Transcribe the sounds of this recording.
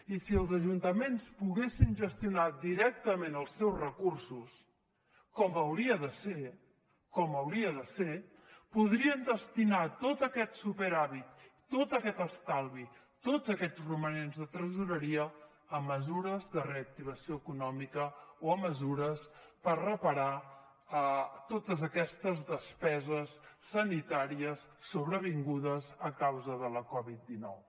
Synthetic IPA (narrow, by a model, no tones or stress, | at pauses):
isiəlˠzəʒunt̪əmenspuɣesinʒəst̪iunad̪iɾɛk̚t̪əmenəlˠsɛwzrəkursus | kɔmbəwɾiəðəse | kɔməwɾiəðəse | puð̞ɾiənd̪əst̪inat̪ot̪əkɛt̪supəɾaβit̪ː | ot̪əkɛt̪əst̪alˠβi | t̪od͡zəkɛd͡zrumənenzðət̪ɾəzuɾəɾiəː | məzuɾəzðəreək̚t̪iβ̞əsioəkunɔmikəoəməzuɾəspərrəpəɾa | ət̪ot̪əzəkɛst̪əzðəspɛzəsːənit̪aɾiəsːuβɾəβ̞iŋɡuðəzəkawzəðələkɔβit̪̚d̪inɔ̰w